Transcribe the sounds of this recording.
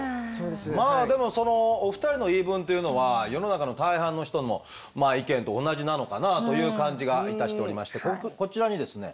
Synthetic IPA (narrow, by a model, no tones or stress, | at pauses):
sod̪esmaːd̪e̞mo̞so̞no̞ːɸɯ̟̥t̪aɾʲino̞iːbɯ̟̃nt̪ejɯ̟no̞βajo̞no̞nakano̞t̪aihãnːo̞çi̥t̪o̞nmo̞̰ | maːikẽ̞nt̪õ̞ːnːaʑinano̞kanat̪o̞jɯ̟ːkãɲ̟d͡ʑiɡait̪aɕi̥t̪e̞oɾʲima̰ɕi̥t̪e̞koko̞t͡ɕiɾaɲ̟id̪e̞sɨne̞̰